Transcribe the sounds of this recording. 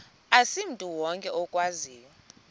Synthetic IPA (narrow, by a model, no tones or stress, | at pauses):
asim̩tʼuwɔŋkʼɛʔɔkʼwaziːjɔ